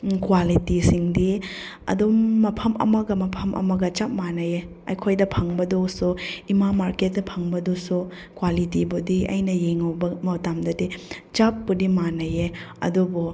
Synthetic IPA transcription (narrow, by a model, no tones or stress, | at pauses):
kwalitisiŋdi | ɐ̰doːɐpʰɐmɐ̰mɐɡɐmɐpʰɐmʔɐ̰mɐɡɐt͡ʃap̚manɐje | ɐjkʰojdɐpʰaŋbɐdosuimamaɾket̚dɐpʰaŋbɐdosu | kwalitibudiɐ̰jnɐjeŋɐwbɐmɐwtamdɐdit͡ʃapːudimanɐjeɐ̰dubu